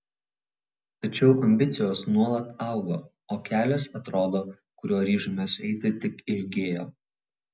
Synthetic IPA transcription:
t̪ɐt͡ʃʲɛʊʔɐmʲbʲɪt̪sʲɪjoːsnuɔlˠɐt̪ɑˑʊɡoː | oːkʲæːlʲɛsɐt̪ɾoːd̪oː | kʊɾʲuɔɾʲiːʒʊmʲɛsɛɪt̪ʲɪt̪ʲɪkɪlʲɡʲeːjoː

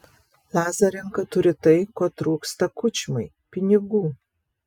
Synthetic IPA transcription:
lˠɑːzɐɾʲɪŋkɐt̪ʊɾʲɪt̪ɐɪkoːt̪ɾuːkst̪ɐkʊt͡ʃʲɪmɐɪ | pʲɪnʲɪɡuː

